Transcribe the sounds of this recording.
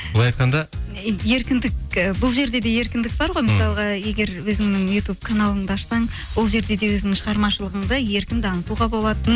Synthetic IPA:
lˠɑjɑjt̪̚qʰɑnd̪ɑ | je̞ɾkʲɪnd̪ɪkəbʊlˠʒe̞ɾd̪e̞d̪e̞je̞ɾkʲɪnd̪ɪk̚bɑɾʁo̞jməsɑlˠəʁɑje̞ɡʲe̞ɾwɵzɪŋnɪŋjut̪ub̚kʰanalˠəɴd̪əɑʃsɑɴ | wo̞lˠʒe̞ɾd̪e̞d̪e̞wɵznɪŋʃəʁɑɾmɑʃəlˠəʁəɴd̪əje̞ɾkʲɪnd̪ɪɑnət̪uʁɑbo̞lˠɑt̪ən

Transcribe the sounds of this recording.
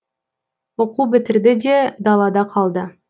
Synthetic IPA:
woqubɪt̪ɪɾd̪ɪd̪e̞d̪ɑlˠɑd̪ɑqʰɑlˠd̪ə

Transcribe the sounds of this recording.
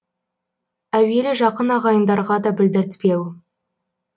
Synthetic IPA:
æwe̞lɪʒɑqənɑʁɑjənd̪ɑɾʁɑd̪ɑbɪld̪ɪɾt̪pe̞w

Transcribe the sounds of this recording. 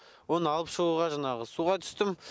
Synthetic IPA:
wo̞nəɑlˠəpʃəʁuʁɑʒɑnɑʁəsuʁɑt̪ʰʏ̥st̪ɪm

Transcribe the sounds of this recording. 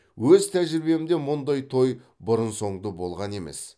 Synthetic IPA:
wɵzt̪ʰæʒɪɾbe̞ɪmd̪e̞mʊnd̪ɑjt̪ʰo̞j | bʊɾənso̞ɴd̪əbo̞lˠʁɑne̞mḛs

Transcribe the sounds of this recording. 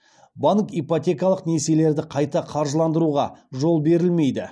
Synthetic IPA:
baŋkijpot̪ʲe̞kɑlˠəqnese̞le̞ɾd̪ɪqʰɑjt̪ɑqʰɑɾʒəlˠɑnd̪əɾuʁɑʒo̞lˠbe̞ɾɪlme̞jd̪ɪ

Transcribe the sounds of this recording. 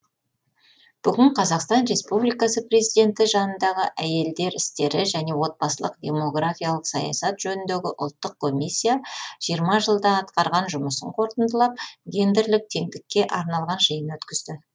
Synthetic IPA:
b̥ʏɡʲɪɴqʰɑzɑqst̪ɑnɾe̞spublijkɑsəpre̞zid̪e̞nt̪ɪʒɑnənd̪ɑʁəʔæje̞ld̪e̞ɾɪst̪e̞ɾɪʒæne̞wo̞t̪̚bɑsəlˠəqd̪ʲe̞mo̞ɡrafʲijalˠəqsɑjɑ̰sɑt̪ʒ̥ɵnɪnd̪e̞ɡʲɪʔʊ̰lˠt̪ːəq̚kʰːo̞mʲijsʲːijaʒ̥ijəɾmɑʒəlˠd̪ɑɑt̪qɑɾʁɑnʒʊməsəɴqʰo̞ɾt̪ənd̪əlˠɑp̚ɡʲe̞nd̪ɪɾlɪk̚t̪ʰe̞ŋd̪ɪkʲːe̞ʔɑɾnɑlˠʁɑnʒəjənwɵt̪kʲɪzd̪ɪ

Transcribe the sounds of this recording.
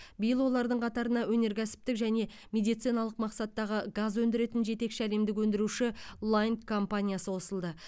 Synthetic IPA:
bijəlˠwo̞lˠɑɾd̪əɴqʰɑt̪ɑɾənɑwɵne̞ɾkʲʰæsɪ̥p̚t̪ɪkʒæne̞ | me̞d̪ijt̪sijnɑlˠəqmɑqsɑt̪ːɑʁəɡazwɵnd̪ɪɾe̞t̪ɪnʒe̞t̪e̞kʃɪæle̞md̪ɪk̬wɵnd̪ɪɾuʃɪlˠajnt̪kʰo̞mpanʲijasəwo̞səlˠd̪ə

